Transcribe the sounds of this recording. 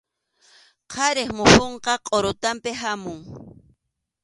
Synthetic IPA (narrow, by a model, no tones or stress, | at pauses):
qʰɑɾɪχmʊhoɴqɑqʼoɾʊt̪ampɪɦamʊŋ